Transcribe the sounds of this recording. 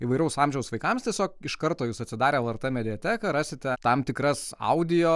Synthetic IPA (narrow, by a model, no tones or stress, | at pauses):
iʋɐɪɾʲɛʊsɑːmʲʒʲɛʊsʋɐɪkɐmst̪ʲiɛsʲoːkɪʃkɐɾt̪oːjuːsɐt̪ʲsʲɪd̪ɑːɾʲeːɛlˠɐrt̪ɛmʲɛd̪ʲɪjɛt̪ʲæːkɐɾɑːsʲɪt̪ʲɛt̪ɐmt̪ʲɪkɾɐsɐ̰ʊd̪ʲɪjoː